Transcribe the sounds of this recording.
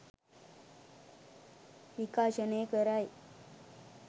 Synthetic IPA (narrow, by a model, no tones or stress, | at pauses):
ʋikaːɕɐneːkəɾaːj